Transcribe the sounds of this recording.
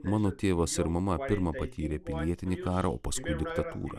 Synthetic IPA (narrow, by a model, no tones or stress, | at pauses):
mɑːnoːt̪ʲeːʋosɪɾmɐmɐpʲɪɾmɐpɐt̪ʲiːɾʲeːpʲɪlʲiɛt̪ʲɪnʲikɑːɾɐo̰ːpɐskʊɪd̪ʲɪkt̪ɐt̪ṵːɾɐ̰ː